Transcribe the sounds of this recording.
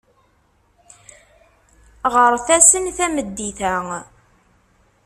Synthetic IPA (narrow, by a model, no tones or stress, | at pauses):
ʁəɾˤθæsənθæməd̪ːiθæ